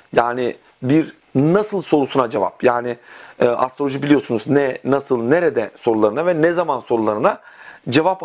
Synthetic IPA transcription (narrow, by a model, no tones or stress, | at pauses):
jaːnɪ | biɾ | nasɯlˠso̞ɾusunad͡ʒeva̰pjaːnɪːʔa̰st̪ɾolʲoʒibilʲijo̞sunuznɛnasɯlˠneɾɛd̪ɛso̞ɾulˠaɾɯnavɛnɛzamanso̞ɾulˠaɾɯnad͡ʒe̞vap